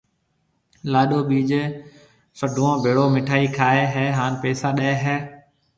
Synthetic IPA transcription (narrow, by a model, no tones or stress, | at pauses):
laːɗoːɓiːd͡ʒe | səɖʱuãːbʱeːɽoːmɪʈʰaːiːkʰaːeːɦɛːɦaːnpeːsaːɗɛːɦɛː